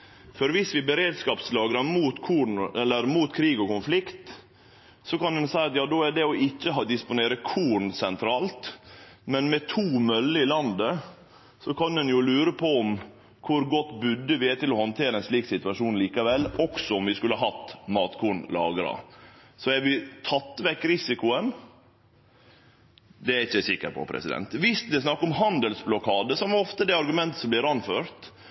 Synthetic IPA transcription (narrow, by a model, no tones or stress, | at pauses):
fɔɾʋɪsʋɪbəɾeːd̪skɑːpslɑːɡɾɑmuːt̪kʰuːɳɛlːəɾmuːt̪kʰɾiːɡɔkʊnflɪkt̪ | sɔkɑnd̪ɛnsæɪɑt̪jɑːd̪oːæɖɛɔʔɪçːəɦɑːd̪ɪspʊneːɾəkʰuːɳsɛnt̪ʰɾɑːlt̪mɛnmɛt̪ʰuːmœlːəɪlɑnd̪ə | sɔkʰɑnd̪ɛnjʊlʉːɾəpʰɔɔm | kʰʊɾɡɔt̪ːbʉd̪ːəʋɪæt̪ɪlɔhɔnt̪ʰeːɾəɛnsliːksɪt̪ʉʋɑʂuːnliːkɑʋɛlːɔksɔɔmʋɪskʉlːəɑɦɑt̪ːmɑːt̪kʰuːɳlɑ̰ːɡəɾɑ̰sɔæɾʋɪt̪ʰɑt̪ːʋɛkːɾɪsɪkʊən | d̪ɛæɾɪçːəæsɪkːə̰ɾpʰɔ̰pʰɾɛ̰sɪd̪ɛ̰nt̪ʋɪst̪d̪ɛsnɑkːəɔmɦɑnd̪əlsblɔkʰɑːd̪əsɔmʋɑɾɔft̪əd̪ɛɑɾɡʉmɛnt̪əsɔmblɪɾɑnføːɾt̪